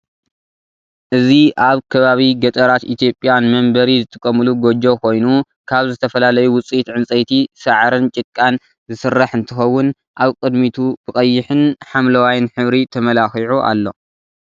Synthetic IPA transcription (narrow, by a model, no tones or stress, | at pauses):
ʔɨziʔaβkʰɐβaβiɡɐt̪ʼɐɾat̪ʔit̪ʰjo̞pʼjanmɐmbɐɾizɨt̪ʰʼɨ̥kʼːɐmɨluɡod͡ʒo̞kʰo̞jnu | kʰaβzɨt̪ʰɐfɐlalɐjuwʊt͡sʼit̪ʕɨnt͡sʼɐjt̪ʰisɐʕɾɨnt͡ʃʼɨkʼːan | zɨsɨrːaħɨnt̪ʰɨxɐwːʊn | ʔaβkʼɨd̪mit̪ʰub̥ɨkʼɐjːɪħɨnħamlɐwajnħɨβɾit̪ʰɐmɐlaxiʕuʔa̰lːo̞